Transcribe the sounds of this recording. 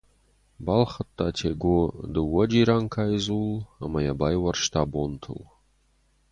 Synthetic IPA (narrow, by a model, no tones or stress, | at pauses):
balχɐt̪ʰʼːatʰeɡʷʊd̪ɨwɐd͡ʒiɾaŋkʰaːjzulamajabajwɐrʃtʰaːbontʰɨ̰l